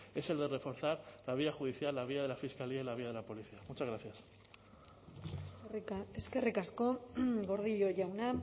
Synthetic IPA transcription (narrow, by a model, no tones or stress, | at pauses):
e̞se̞ld̪e̞re̞fo̞ɾθaɾlaβ̞iaxuðiθjalːaβ̞iaðe̞lafiskaliailaβ̞iaðe̞lapo̞liθiamut͡ʃazɣɾaθjas | eske̞rikasko̞ɡo̞ɾð̞iʎo̞ʝawna